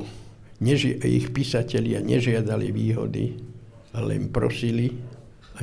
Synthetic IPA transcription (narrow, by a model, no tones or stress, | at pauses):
ɲɛʒḭxpiːsacɛʎɪa̰ɲɛ̰ʒɪad̪aliʋiːɦɔ̰d̪ḭ | alɛ̰npɾɔ̰sili | a